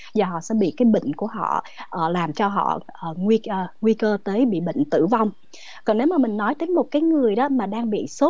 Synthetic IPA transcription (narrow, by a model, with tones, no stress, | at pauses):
zaː˨˩ɦɔ̰˧˨sɛ̰˧˥ɓḭ˧˨kaː˨˦jɓə̰˧˨ŋ̟ku˧˩əɦɔ̰˧˨ | ʔːlaː˨˩mt͡ɕɔ˧ɦɔ̰˧˨ʔəː˨˩ŋwi˧˨˩ŋwi˧kəː˧t̪əː˨˦jɓḭ˧˨ɓə̰˧˨ŋ̟t̪ɨ̰˧˨va˧wŋ͡m | kɔ˨˩nne˨˦wmaː˨˩mï˨˩ŋ̟nɔ˨˦jt̪əː˨˦jmo˨˩t̚kaː˨˦jŋɨ˨˩əjɗɔ˨˦maː˨˩ɗaː˧ŋɓḭ˧˨so˦˥t̚